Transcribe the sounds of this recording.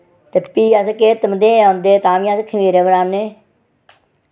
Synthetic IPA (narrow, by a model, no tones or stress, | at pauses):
t̪eːpiːas̬ekeːt̪ːəməd̪eːand̪eːt̪ãːmĩːasekʰəmiːɾeːbəɾaːnːeː